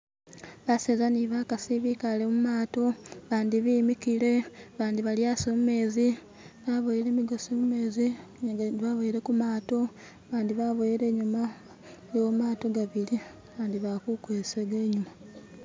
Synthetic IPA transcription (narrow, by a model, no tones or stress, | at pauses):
βasezaniβakasiβikalemumaːto̞βaːndiβiːmikile̞βaːndiβaljaːsomume̞ːzi | βaβojile̞miɡo̞somume̞ːzi | βaβojiɾe̞kumaːto̞ | βaːndiβaβojiɾe̞ːɲuma | joːmaːto̞ɡaβili | aːndiβakukweseɡeːɲuma